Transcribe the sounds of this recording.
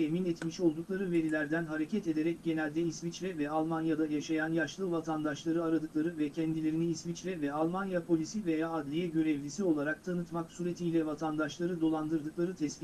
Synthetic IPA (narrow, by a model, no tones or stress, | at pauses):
eminɛt̪miʃo̞lˠd̪uklˠaɾɯve̞ɾilʲæɾd̪ænɦaɾe̞cʰɛt̪e̞d̪e̞ɾɛc̚ɟe̞nɛlʲd̪ɛisvit͡ʃlʲɛvɛalˠmanjad̪ajaʃajanjaʃlˠɯvat̪ʰand̪aʃlˠaɾɯaɾad̪ɯklˠaɾɯvɛcʰɛnd̪ilʲe̞ɾiniːsvit͡ʃlʲɛvɛalˠmanjapʰo̞lʲisivejaːd̪lʲijɛɟø̞ɾɛvlʲisio̞lˠaɾak̚t̪ʰanɯt̪maksyɾet̪ʰijlʲɛvat̪ʰand̪aʃlˠaɾɯd̪o̞lˠand̪ɯɾd̪ɯlˠaɾɯt̪ʰɛsbi